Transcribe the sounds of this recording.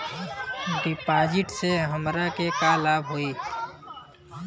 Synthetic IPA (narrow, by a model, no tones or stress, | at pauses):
ɖɪpaːd͡ʒɪʈseɦəmɾakekalaːbɦoːiː